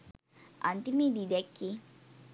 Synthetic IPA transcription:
ʔa̰nt̪imididɛkːi

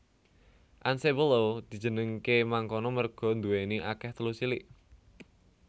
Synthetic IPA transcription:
ʔansebəlod̪̥i̤̥d͡ʒ̥ə̤nəŋkemaŋkɔnɔmərɡ̥ɔ̤nd̪uweniʔakɛht̪əlusiliʔ

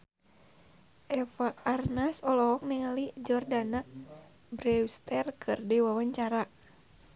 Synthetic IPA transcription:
ʔɛfaːrnasɔlɔɦɔk̚niŋalid͡ʒɔrdana | bɾɛust̪ɛrkʰɨrdiwawaɲt͡ʃaɾa

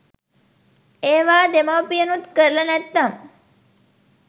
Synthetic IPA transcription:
eːʋaːd̪emaʋpijənut̪kəɾlɐnɛt̪ːɐm

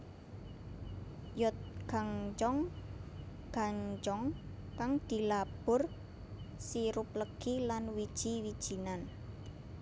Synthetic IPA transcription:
jɔt̪̚ɡ̥a̤ŋt͡ʃɔŋ | ɡ̥a̤ɲt͡ʃɔŋ | kaŋd̪̥i̤lab̥ʊ̤r | siɾʊp̚ləɡ̥ilanwid̥ʒ̥i̤wid̥ʒ̥i̤nan

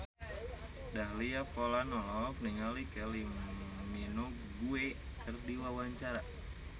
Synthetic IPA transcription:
daɦliafolanɔlɔfniŋalikɛlimino | ɡuekʰɨrdiwawaɲt͡ʃaɾa

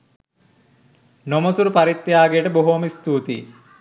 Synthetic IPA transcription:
nomosuɾupaɾit̪ːejaːɡeːʈəboɦuɐmist̪uːt̪ḭ

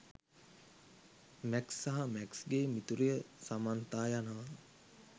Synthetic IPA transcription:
mæksːaɦamɛksɡeːmit̪uɾijəsamant̪aːjanəʋa

